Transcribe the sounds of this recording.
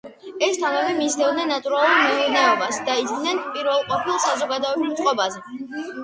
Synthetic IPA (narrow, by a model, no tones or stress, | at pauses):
ɛst̪ʰanavɛmizd̪ɛvd̪nɛnːat̪ʼuɾalˠuɾmɛuɾnɛɔbasd̪aid̪ɡ̪nɛnpʼiɾvɛlˠqʼɔpʰilˠsazɔɡad̪ɔɛbɾimt̪sʼqʼɔbazɛ